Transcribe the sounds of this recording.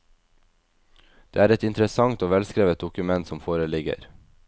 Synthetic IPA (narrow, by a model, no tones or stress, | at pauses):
d̪̥eːæːɾɛt̪ɪnt̪ɾəsɑŋt̪oːʋɛlskɾeːʋət̪̚d̪ʊkʉmɛnt̪sɔmfoːɾəlɪɡə̰ɾ